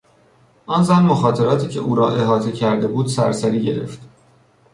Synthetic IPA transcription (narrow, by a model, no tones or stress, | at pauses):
ʔɒːnzæmmoxɒːt̪ʰe̞ɾɒːt̪ʰiːcʰe̞ʔuːɾɒːʔe̞ɦɒːt̪ʰe̞cʰæɾd̪e̞buːd̪sæ̰ɾsæɾiːɟe̞ɾe̞̰ft̪